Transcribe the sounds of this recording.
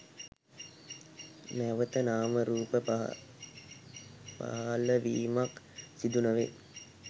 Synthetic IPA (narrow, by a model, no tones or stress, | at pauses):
mɛʋət̪ənaːməɾuːpə | pa̰ɦləʋiːmak | sid̪unəʋḛ